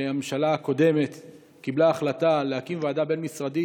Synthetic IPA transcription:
ameʃalaako̞de̞me̞t̪ | kiblaːχlatalehakimvaːd̪abe̞nmisʁad̪i

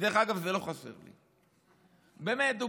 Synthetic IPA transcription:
deχaɡavzeloχasḛʁlḭ | beːmet̪u

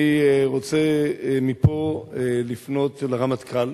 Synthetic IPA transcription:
iʁot͡semipo̞lifno̞tleʁamat̪kal

